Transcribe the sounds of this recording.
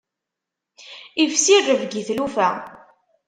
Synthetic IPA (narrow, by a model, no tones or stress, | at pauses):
ivsirːəvɡiθlufæ